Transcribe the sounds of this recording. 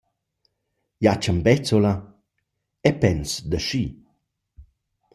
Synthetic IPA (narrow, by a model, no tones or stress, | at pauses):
jat͡ʃəmbɛt͡sola | ɛpɛnsd̪əʃi